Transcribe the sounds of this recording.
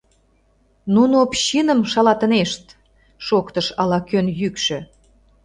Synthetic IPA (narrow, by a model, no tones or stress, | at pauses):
nunoopɕinə̆mʃɑlɑt̪ə̆neʃt̪̚ | ʃokt̪əʃɑlɑkønjykʃø̆